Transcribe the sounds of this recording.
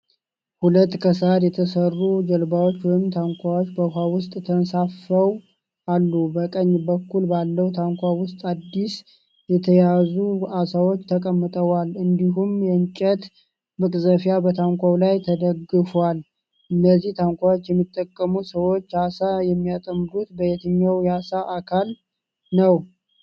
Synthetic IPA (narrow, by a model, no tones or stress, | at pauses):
hulət̪ːkʰəsad̪jɛt̪ʰəsərːud͡ʒəlbawot͡ʃːwɔjɪmt̪ʰaŋkʷawot͡ʃːbəɦawʊst̪ʼt̪ʰənsafːəw | ʔalːubəkʼəɲːbəkːulbalːəwt̪ʰaŋkʷawʊst̪ʼad̪ːis | jɛt̪ʰəjazuasawo̞t͡ʃːt̪ʰəkʼəmːɨt̪ʼəwalɨnd̪iɦumjɛɨnt͡ʃʼɛt̪ | mɨkʼzəfjabət̪ʰaŋkʷawlajt̪ʰəd̪əɡɨfwal | ʔɨnːəzːiht̪ʰaŋkʷawot͡ʃːjɛmːit̪ʼːəkʼːəmusəwo̞t͡ʃːasajɛmːijat̪ʼəmːɨɾut̪bəjet̪ʰɨɲːawjasaʔakʰal | nəw